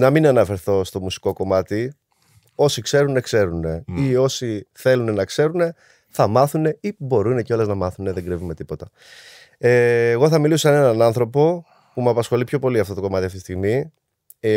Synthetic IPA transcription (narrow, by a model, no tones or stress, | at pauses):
nɐminɐnɐfe̞ɾθo̞st̪o̞musi̥ko̞ko̞mɐt̪i | o̞sikse̞ɾune̞kse̞ɾune̞io̞siθe̞lune̞nɐkse̞ɾune̞ | θɐmɐθune̞ibo̞ɾune̞ceo̞lɐznɐmɐθuneðe̞ŋɡɾivume̞t̪ipo̞t̪ɐ | eːɣo̞θɐmilisoɐne̞nɐnɐnθɾo̞po̞ | pumɐpɐsxo̞lipço̞po̞liɐft̪ot̪oko̞mɐt̪iɐft̪isiɣmi